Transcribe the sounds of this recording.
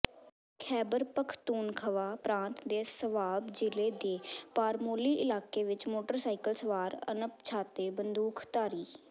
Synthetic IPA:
kʰɛːbəɾpəkʰt̪uːnkʰəʋaːpɾãːnt̪d̪eːsəʋaːbd͡ʒɪleːd̪eːpaːɾmoːliːʔɪlaːkeːʋɪt͡ʃmoːʈəɾsaːɪkəlsəʋaːɾə̰nəp̚t͡ʃʰaːt̪eːbənd̪uːkʰt̪aːɾiː

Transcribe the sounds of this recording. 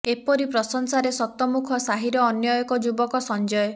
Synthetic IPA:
epɔɾipɾɔsɔŋsaɾesɔt̪ɔmukʰɔsaɦiɾɔːnjɔjɔkɔd͡ʒubɔkɔsɔnd͡ʒɔjɔ

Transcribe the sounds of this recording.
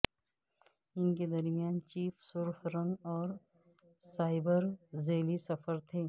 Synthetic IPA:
ɪnked̪ɐɾmijaːnt͡ʃiːfsʊɾfɾənɔːɾ | saːɪbəɾzeːlisɐfəɾt̪ʰeː

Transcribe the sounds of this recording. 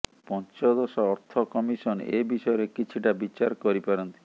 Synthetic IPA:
pɔnt͡ʃɔd̪ɔsɔɔɾt̪ʰɔkɔmisɔnḛbiʃɔeɾekit͡ʃʰiʈabit͡ʃaɾkɔɾipaɾɔnt̪i̥

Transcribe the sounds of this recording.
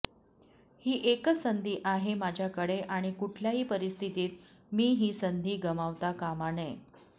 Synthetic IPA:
hiːʔekəsənd̪ʱiːʔaɦemad͡ʑʱjakəɽeʔaɽ̃ikuʈʰljaɦiːpəɾist̪ʰit̪iːt̪ | miːɦiːsənd̪ʱiːɡəmaʋt̪akamanej

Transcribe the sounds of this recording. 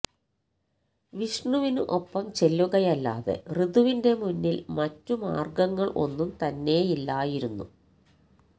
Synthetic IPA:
ʋiʂɳuʋinuʔo̞pːɐmt͡ɕe̞lːuɣɐjɐlːa̰ːðḛriðuʋinde̞munːilmɐtːuma̰ːrɡɐŋːɐɭʔo̞nːumt̪ɐnːe̞jilːaːjiɾunːṵ

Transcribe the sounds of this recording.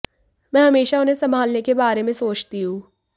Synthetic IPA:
mɛ̃ːɦɐmeːʃaʊnɦẽsɐ̃mbʱaːlnekebaːɾemẽsoːt͡ʃt̪iɦũː

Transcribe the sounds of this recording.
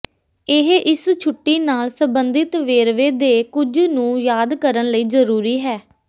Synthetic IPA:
ɪɦʔɪst͡ʃʰʊʈːiːnaːlsəmbənd̪ɪt̪ʋeːɾʋeːd̪eːkʊd͡ʒnũːjaːd̪kəɾənləiːzəɾuːɾiːɦɛː

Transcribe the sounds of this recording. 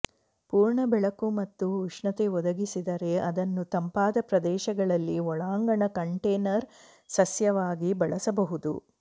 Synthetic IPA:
puːɾɳɐbɛɭɐkumɐt̪ːuuʂɳɐt̪eɔd̪ɐɡisid̪ɐɾe̞ɐd̪ɐnːut̪ɐmpaːd̪ɐpɾɐd̪ɛːʃɐɡɐɭɐlːiɔɭaːŋɡɐɳɐkɐɳʈeːnɐɾ | sɐsjɐʋaːɡibɐɭɐsɐbɐɦud̪ṵ

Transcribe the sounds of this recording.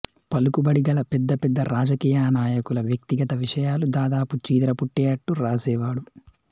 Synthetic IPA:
pɐlukubɐɽiɡɐlɐpɛd̪ːɐpɛd̪ːɐɾaːd͡ʒɐkiːjaːnaːjɐkulɐʋjɐk̚t̪iɡɐt̪ɐʋiʂɐjaːlud̪aːd̪aːput͡ʃiːd̪ɾɐpuʈːɛːɐʈːuɾaːsɛːʋaːɽu

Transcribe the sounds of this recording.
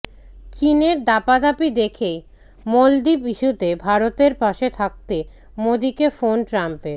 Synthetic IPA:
t͡ɕineɾd̪apad̪apid̪ekʰej | mold̪ipiʃut̪ebʱaɾot̪eɾpaʃet̪ʰak̚t̪e | mod̪ikefonʈɾampeɾ

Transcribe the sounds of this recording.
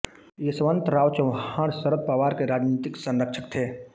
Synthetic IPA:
jesəʋənt̪ɾaːwt͡ʃɐwãːɽsəɾət̪̚pəʋaːɾkeɾaːd͡ʒniːt̪ɪksə̃nɾəkʃʰəkt̪ʰeː

